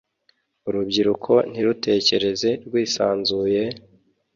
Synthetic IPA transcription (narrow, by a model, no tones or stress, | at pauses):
uɾubɟiɾukʰo̞n̥hiɾute̞ːce̞ɾe̞ze̞ɾɡwiːsaːnzuːje̞